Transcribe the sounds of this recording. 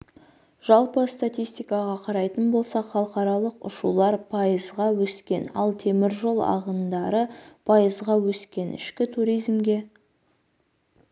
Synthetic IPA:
ʒ̥ɑlˠpəst̪at̪ʲijst̪ijkɑʁɑqʰɑɾɑjt̪ənbo̞lˠsɑχɑlˠəqɑɾɑlˠəqʊ̰ʃulˠɑɾpʰɑjəzʁɑwɵskʲe̞nɑ̰lˠt̪ʰe̞mɪɾʒo̞lˠɑ̰ʁənd̪ɑɾəpʰɑjəzʁɑwɵskʲe̞nɪ̰ʃkʲɪt̪ʰuɾijzmɡʲe̞

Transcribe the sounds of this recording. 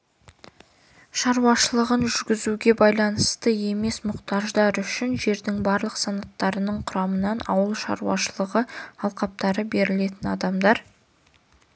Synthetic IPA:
ʃɑɾuwɑʃəlˠəʁənʒʏɾɡʲɪzuɡʲe̞bɑjlˠɑnəst̪əe̞me̞smʊqt̪ɑʒd̪ɑɾʏʃɪnʒe̞ɾd̪ɪŋbɑɾlˠəqsɑnɑt̪ːɑɾənəɴqʰʊɾɑmənɑnɑ̰wəlˠʃɑ̰ɾṵɑ̰ʃəlˠəʁəɑlˠqɑp̚t̪ɑɾəbe̞ɾɪle̞t̪ɪnɑd̪ɑmd̪ɑɾ

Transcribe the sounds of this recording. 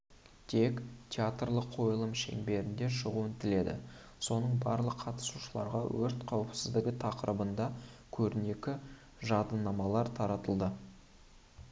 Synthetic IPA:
t̪ʰe̞kt̪ʲʰeat̪rlˠəqʰːo̞jəlˠəmʃe̞̰ŋbe̞ɾɪnd̪e̞ʃəʁuɪnt̪ɪle̞d̪ɪ̰ | so̞nəɴbɑɾlˠəqʰɑt̪ə̥suʃəlˠɑ̰ɾʁɑwɵɾt̪qʰɑwəpsɪzd̪ɪɡʲɪt̪ʰɑqəɾəbənd̪ɑkʲʰɵɾɪne̞kʲɪ | ʒɑd̪ənɑmɑlˠɑɾt̪ʰɑɾɑt̪əlˠd̪ə

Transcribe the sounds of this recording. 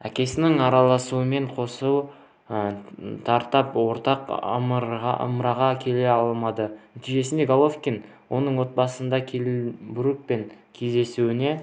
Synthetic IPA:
ækʲe̞sɪnɪŋɑɾɑlˠɑsuəme̞ɴqʰo̞suw | ət̪ʰɑɾt̪ɑpwo̞ɾt̪ɑqə̰mʁɑ̰ʔə̰mɾɑʁɑkʲʰe̞le̞ɑlˠmɑd̪ənæt̪ijʒe̞sɪnd̪eɡolˠofkʲin | wʔo̞nəɴwo̞t̪̚bɑsənd̪ɑkʲʰebʊɾuk̚pe̞ŋkʲʰe̞zd̪e̞suwɪne̞

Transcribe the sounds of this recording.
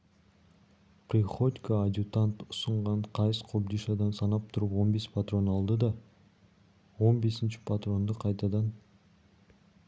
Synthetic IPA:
pɾʲiχo̞t̪ʲkaːd̪ʲjut̪ant̪ʊ̥səɴʁɑɴqʰɑjəsqʰobd̪iʃɑd̪ɑnsɑnɑp̚t̪ʰʊɾəpwo̞nbe̞spʰat̪ro̞nɑlˠd̪əd̪ɑ | wo̞nbe̞sɪnʃɪ̥pʰat̪ro̞nd̪əqʰɑjt̪ɑd̪ɑn

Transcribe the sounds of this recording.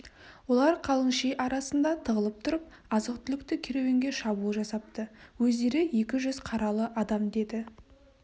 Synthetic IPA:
wo̞lˠɑɾqʰɑlˠəŋʃejʔɑɾɑsənd̪ɑt̪ʰəʁəlˠəp̚t̪ʰʊɾəp̚ | ɑzəqt̪ʰʏlɪkt̪ɪkʲʰeɾewe̞ŋɡʲeʃɑbuəʒɑsɑp̚t̪əwɵzd̪e̞ɾɪje̞kʲɪʒʏzqʰɑɾɑlˠəʔɑd̪ɑmd̪e̞d̪ɪ

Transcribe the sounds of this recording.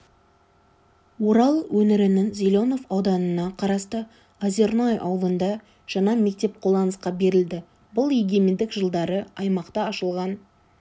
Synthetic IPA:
wo̞ɾɑlˠwɵnɪɾɪnɪnzʲilʲo̞no̞vɑwd̪ɑnənɑqʰɑɾɑst̪ə | azeɾnajʔɑ̰wlˠənd̪ɑ | ʒ̥ɑnɑme̞k̚t̪e̞p̚qʰolˠd̪ɑnəsqɑbe̞ɾɪld̪ɪ | bʊlˠeɡʲemend̪ɪkʒəlˠd̪ɑɾəɑjmɑqt̪ɑːʃəlˠʁɑn

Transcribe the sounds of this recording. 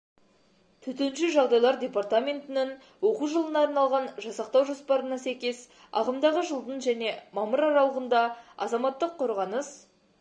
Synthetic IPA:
t̪ʰɵt̪enʃɪʒɑʁd̪ɑjlˠɑɾdʲe̞part̪amʲe̞nt̪ɪnɪŋ | wo̞quʒəlˠənɑːɾnɑlˠʁɑnʒɑsɑqt̪ɑwʒo̞spɑɾənɑsæjkʲe̞s | ɑ̰ʁəmd̪ɑʁəʒəlˠd̪ənʒæne̞mɑməɾɑɾɑlˠəʁənd̪ɑɑ̰zɑmɑt̪ːəqʰːo̞ɾʁɑnəs

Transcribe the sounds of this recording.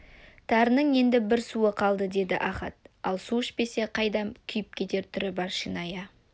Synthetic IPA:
t̪ʰɑɾənəɴje̞nd̪ɪbɪɾsuəqʰɑlˠd̪əd̪e̞d̪ɪʔɑχɑt̪̚ɑlˠsuʃbe̞se̞qʰɑjd̪ɑmkʲʰʏjɪp̚kʲet̪e̞ɾt̪ʰʏɾɪbɑɾʃinɑjɑ

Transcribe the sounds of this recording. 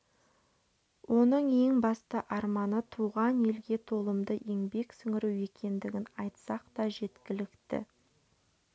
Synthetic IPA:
wʔo̞nəɴe̞ŋbɑst̪əʔɑɾmɑnət̪ʰuʁɑnje̞lɡʲe̞t̪ʰo̞lˠəmd̪əʔeŋbe̞ksʏŋɪɾuwe̞kʲe̞nd̪ɪɡʲɪnɑjt̪sɑqt̪ɑʒe̞t̪kʲɪlɪkt̪ɪ̰

